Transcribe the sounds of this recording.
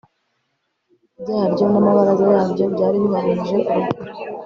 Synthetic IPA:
bɟaːɾɟo̞namaβaɾazojaːbɟo̞bɟaːɾimŋaɾeːnʒe̞ʔuɾu

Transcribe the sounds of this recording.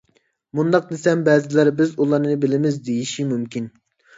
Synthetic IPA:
mund̪ɑq̚nɪsɛmbɛːzɪlɛɾbɪzulˠɑɾnɨbɪlɪmɪzd̪ejiʃimymkʲin

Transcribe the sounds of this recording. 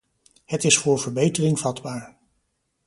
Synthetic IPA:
hətɪsfʊːɹvəɹbejtərɪŋvɑdbaːɹ

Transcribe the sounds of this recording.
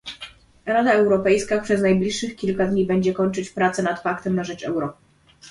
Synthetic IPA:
ɾad̪aɛwɾɔpɛjskapʂɛznajblʲiʂːɘxkʲilkad̪ɲibɛɲd͡ʑɛkɔɲt͡ʂɘt͡ɕpɾat̪sɛnat̪fakt̪ɛmnaʐɛt͡ʂɛ̰wɾɔ

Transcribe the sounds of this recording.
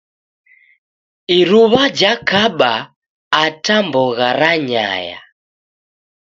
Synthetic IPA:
iɾuβad͡ʒakaɓaː | tambɔɣaɾaɲa̰ja̰

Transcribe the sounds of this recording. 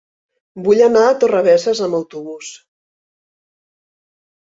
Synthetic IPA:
buʎənaːt̪urəβɛsəzəməwt̪uβus

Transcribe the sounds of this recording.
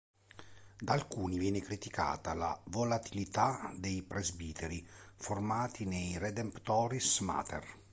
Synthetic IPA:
d̪alkuːnivjeːnekɾit̪ika̰ːt̪ala̰volat̪ʰilit̪ad̪ejpɾezbiːt̪ʰeɾiformaːt̪inejred̪empt̪ɔːɾisma̰ːt̪ʰḛr

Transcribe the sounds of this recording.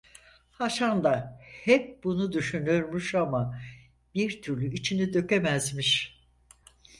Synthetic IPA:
haʃand̪ahɛp̚bunud̪yʃynyoɾmyʃama | b̥iɾt̪ʰyɾlʲyit͡ʃʰinid̪ø̞kemæzmiʃ

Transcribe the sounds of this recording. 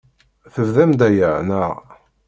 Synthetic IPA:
θəvðæmd̪æjəʕnəʁ

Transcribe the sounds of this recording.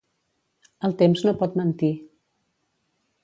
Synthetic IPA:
əlˠt̪emznopɔt̪mənt̪i

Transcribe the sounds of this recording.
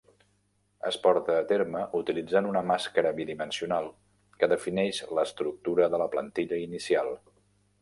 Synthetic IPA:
ə̰spɔɾt̪əːt̪eɾməʔut̪ilid͡zanunəmaskəɾəβiðimənsiunalˠ | kəðəfinɛʃləst̪ɾuk̚t̪uɾəðələplənt̪iʎəinisialˠ

